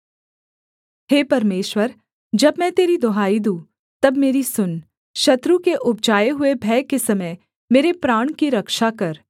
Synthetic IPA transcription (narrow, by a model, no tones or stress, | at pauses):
heːpɐɾmeːʃwəɾ | d͡ʒɐbmɛ̃t̪eːɾid̪oɦaːid̪ũː | t̪ɐbmeːɾisʊn | ʃɐt̪ɾũkeʔʊp̚d͡ʒaːjeɦʊebʱɛːkesɐmə | meːɾepɾaːɽ̃kiɾɐkʃakɐɾ